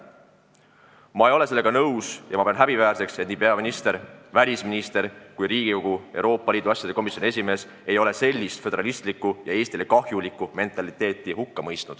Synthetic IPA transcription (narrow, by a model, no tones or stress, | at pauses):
mɑejo̞le̞se̞lːeɡ̥ɑnɤwsjʔɑ̰mɑpeɑnɦæb̥ivæːɾse̞kset̪niːpeɑminist̪e̞ɾvælʲisminist̪e̞ɾkujriːɡ̥iko̞ɡ̥ue̞̰wɾo̞ːpːˑɑliːd̪uɑsʲjɑd̪e̞ko̞misjonie̞s̬ʲime̞ːs | e̞jo̞le̞se̞lʲːist̪fed̪e̞ɾɑlist̪likːˑujɑe̞ːst̪ile̞kɑhjulikːˑume̞nt̪ːˑɑlit̪ːˑe̞ːt̪ːˑihukːɑmɤjst̪nud̪̥